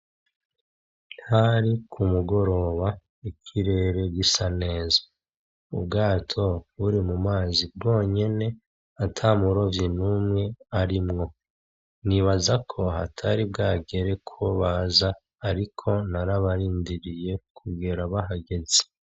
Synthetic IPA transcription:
nhaɾikʰumuɡo̞ɾo̞ːβa | icʰiɾe̞ːɾe̞ɾɡisane̞ːzḁ | ṵbɡaːtʰo̞βuɾimumaːzib̚ɡo̞ːɲe̞ne̞ | atʰamuɾo̞vjinumŋe̞aɾimŋo̞ | niβazakʰo̞ɦa̰tʰaɾibɡaːɡe̞ɾe̞kʰoβaːzaː | ɾikʰo̞naɾaβaɾiːndiɾije̞kʰuɡeɾaβaɦaɡe̞ze̥

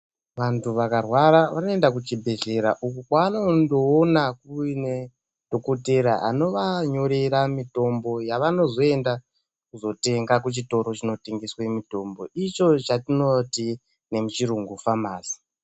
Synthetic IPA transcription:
ʋantuʋakarwaɾaʋano̞e̞ndak̬ut͡ʃibʱe̞ɮe̞ɾa̰ʔukukwaːno̞ndoːnakuine | d̥ʱo̞ko̞te̞ɾaʔa̰no̞ʋaɲo̞ɾe̞ɾamito̞mbo̞jaʋano̞zo̞e̞nda | kuzo̞te̞ŋɡakut͡ʃito̞ɾo̞t͡ʃino̞teŋɡiswamito̞mbo̞it͡ʃo̞t͡ʃatino̞ti | ne̞mut͡ʃiɾuŋɡufamaːsi̥

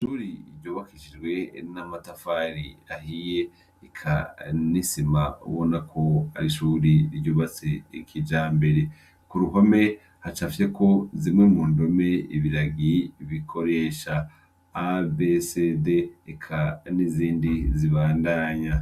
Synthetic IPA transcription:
ʃuɾiɾɟoːβakiʃid͡ʒɡwe̞namatafaɾiahije | ikʰa̰nisimaṵβonakʰo̞a̰ɾiʃuːɾiiɾɟoːβat͡sekʰid͡ʒaːmbe̞ɾe̞ | kuɾuɦome̞ | hat͡ʃafjekʰo̞zimŋe̞muːndo̞me̞iβiɾaɡiβikʰo̞ɾe̞ːʃaː | besedeekʰaniziːndiziβaːndaːɲa

